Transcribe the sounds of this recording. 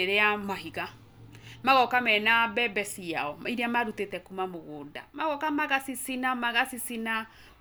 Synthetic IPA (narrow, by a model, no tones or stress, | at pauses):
eɾeamaɦiɣa | maɣɔkamɛnabɛbɛsiaɔiɾeamaɾutetɛkumamoɣoːda̰maɣɔkamaɣasisinamaɣasisina